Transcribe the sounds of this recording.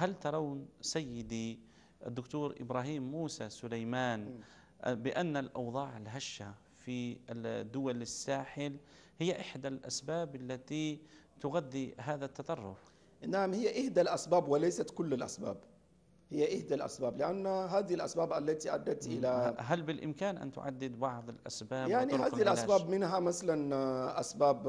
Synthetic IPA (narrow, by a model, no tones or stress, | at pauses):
halt̪ɑɾˤɑwnsæjːɪd̪i | d̪ːʊkt̪uːɾʔɪ̰bɾˤaɦiːmːuːsasʊlajmaːn | bɪʔanːalʔɑwd̪ˤɑːʕɪlɦaʃːa | fid̪ːʊwalɪsːaːħɪl | hɪjːaʔɪħd̪alʔa̰sbaːbalːat̪i | t̪ʊɣad̪ːiɦaːðat̪ːɑt̪ˤɑrˤːʊf | naʕmhɪjːaʔɪhd̪alʔasbaːbwɪlajsat̪kʊlːɪlʔa̰sba̰ːb | hɪjːaʔɪhd̪alʔa̰sbaːblɪʔanːɦaːðɪilʔasbaːbʔalːat̪iʔa̰d̪ːat̪ʔɪlaɦalbɪlʔɪmkaːnʔa̰nt̪ʊ̰ʕa̰d̪ːɪd̪bɑʕðˤɪlʔa̰sbaːjaʕniaːilʔasbaːbmɪnɦamasalanʔasbaːb